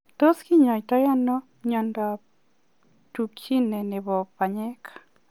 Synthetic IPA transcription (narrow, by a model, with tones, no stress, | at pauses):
t̪o˦ski˦ɲɔ˨jtɔ˦ja˦nɔ˦ | ɲa˨nda˨ | tu˨kʰi˦nɛ˨ne˨βɔ˨pa˨ɲe˦kʰḁ˨